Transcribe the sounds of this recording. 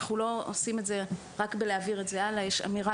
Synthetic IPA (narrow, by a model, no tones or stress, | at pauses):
χulo̞osime̞tze̞ | ʁakbeleaviʁe̞tzealajeʃa̰miʁa